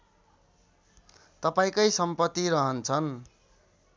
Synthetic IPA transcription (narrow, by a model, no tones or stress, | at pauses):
t̪ʌpaĩkʌjsʌmpʌt̪ːiɾʌɦʌnt͡sʰʌn